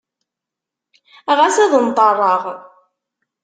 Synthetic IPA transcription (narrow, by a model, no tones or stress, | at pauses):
ʁasæðənt̪ˤɑrˤːɑʁ